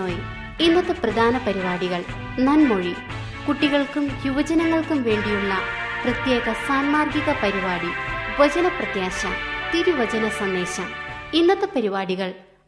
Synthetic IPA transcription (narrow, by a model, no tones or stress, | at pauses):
oːj | inːɐt̪ːɨprɐd̪ʱaːnɐpɐɾibaːɽiɣɐɭ | nɐnmoɻi | kuʈːiɣɐɭkumjuʋɐd͡ʑɐnɐŋːɐɭkumʋe̞ːɳɖijuɭːɐ | prɐt̪je̞ːɣɐsaːnmaːrɡiɣɐpɐɾibaːɽiʋɐd͡ʑɐnɐprɐt̪jaːɕɐ̰t̪iɾuʋɐd͡ʑɐnɐsɐnd̪e̞ːɕɐm | inːɐt̪ːɨpɐɾibaːɽiɣɐɭ